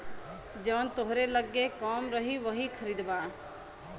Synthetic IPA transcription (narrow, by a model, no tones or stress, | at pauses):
d͡ʒɐʋnt̪oɦɾeləɡːekɔːmɾəɦiʋəɦikʰəɾiːd̪baː